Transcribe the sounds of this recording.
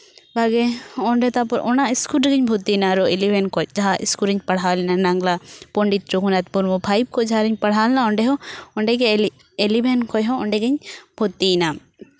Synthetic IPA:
bʱaɡɛɔɳɖɛt̪apɔɾʔɔnaiskuɾɖɛɡəɲbʱut̪ːinaɾɔelibʱɛnkɔjd͡ʒaɦaʔḭskuɾiɲpɐɽ̤ɦalɛnanaŋɡlapɔɳɖit̪̚ɾukunat̪puɾmɔbʱajb̚kɔd͡ʒɦaɾiɲpɐɽ̤ɦaːlnaɔ̃ɳɖɛɦɔɔɳɖɛkɛ | elibʱɛnkɔjɦɔ̃ɔɳɖɛɡəɲbʱut̪ːina

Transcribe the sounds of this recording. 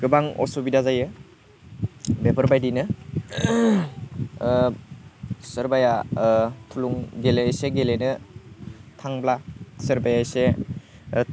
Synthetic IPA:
ɡ̥ɯbaŋɔ̰sobidazajɯ | bepʰəɾbajdinɯ | səɾbaja | tʰuluŋɡeleseɡelenɯ | tʰaŋblasəɾbajajse

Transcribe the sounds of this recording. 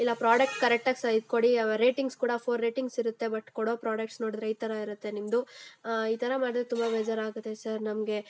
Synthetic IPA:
ilːɐpɾaːɖɐk̚ʈkɐɾɛk̚ʈaɡsɐjd̪̚koɽiɾeːʈiŋɡskuːɽɐpʰoːɾːeːʈiŋɡsiɾut̪ːe̞bɐʈːkɔɽo̞ːpɾaːɖɐk̚ʈsno̞ːɽid̪ɾeiːt̪ɐɾɐiɾut̪ːe̞nimd̪uiːt̪ʰɐɾɐmaːɽid̪ɾet̪umbaʋed͡ʒɐɾaːɡut̪ːesɐɾnɐmɡe̞

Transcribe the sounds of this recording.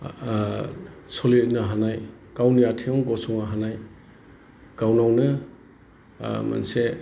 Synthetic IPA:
sɔlinaɦanaj | kawnijatʰiɔŋɡɔsɔŋaɦanaj | kawnawnɯ | ma̰nse

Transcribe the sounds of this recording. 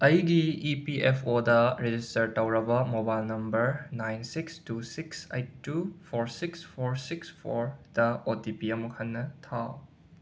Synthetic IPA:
ɐjɡiːpiʔepʰodɐɾed͡ʒistɐɾtɐwɾɐbɐmobajlnɐmbɐɾnajnsikstusiksḛjt̚ːupʰoɾsikspʰoɾsikspʰoɾd̥ɐotipiɐmukʰɐnːɐtʰa

